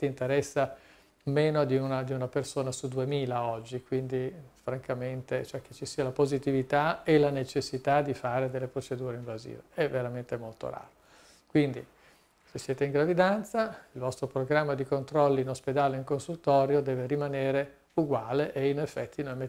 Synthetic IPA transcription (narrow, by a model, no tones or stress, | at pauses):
t̪int̪eɾɛsːa | meːnod̪iunad̪iunapersoːnasud̪uemiːlaɔd͡ʒːikwind̪ifɾaŋkament̪et͡ʃoɛk̟ːet͡ʃːisiːalapozit̪ivit̪aelanet͡ʃesːit̪ad̪ifaːɾed̪elːepɾot͡ʃed̪uːɾeiɱvazḭːveɛvːeɾament̪emolt̪o̰ɾa̰ːɾo | kwind̪ḭ | sesːjeːt̪eiŋɡɾavid̪ant̪sailvɔst̪ɾopɾoɡɾamːad̪ikont̪ɾɔlːiinosped̪aːleiŋkonsult̪ɔːɾjod̪ɛːveɾimaneːɾe | uɡwaːleʔeinefːɛt̪ʰːinõjme